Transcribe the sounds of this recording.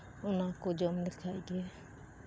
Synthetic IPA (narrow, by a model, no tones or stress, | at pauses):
ʊnãkod͡ʒoːmd̪ɪkʰaːiːɡɛː